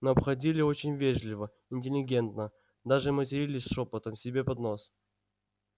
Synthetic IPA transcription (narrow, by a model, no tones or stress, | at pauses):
nəɐpxɐdʲilʲɪot͡ɕɪnʲvʲeʐlʲɪvə | ɪnʲtʲɪlʲɪɡʲe̞nt̪nə | d̪aʐɨmətʲɪɾʲilʲɪsʲʂopət̪əmsʲɪbʲe̞pɐd̪nos